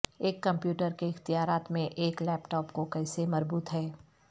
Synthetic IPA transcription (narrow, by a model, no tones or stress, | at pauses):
eːkːɐ̃mpjuːʈəɾkeɪxt̪ijaːɾaːt̪mẽʔeːklɛːpʈɔːpkokɛːsemɐzbuːt̪ɦɛː